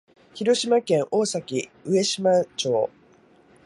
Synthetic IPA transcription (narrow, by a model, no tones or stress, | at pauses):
çiɾo̞ɕimakẽ̞ɰ̃ʔo̞ːsakʲiɯ̟e̞ɕimat͡ɕo̞ː